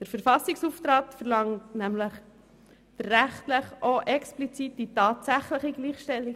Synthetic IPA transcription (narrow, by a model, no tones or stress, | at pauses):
d̥əɾfəɾfɑsiksuftɾɑːtfəɾlɑŋtnæmləχ | d̥əːæχtləχʔoʔɛksplit͡sit̚ditɑːtsæχləχiɡliːχʃtɛlːiɡ